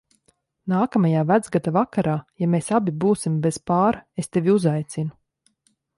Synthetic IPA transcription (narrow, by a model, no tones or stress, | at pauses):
naːkamajaːvæd̪zɡat̪avakaɾaːjameːsabʲibuːsimbɛz̥paːɾaest̪evʲiuzajt̪sinu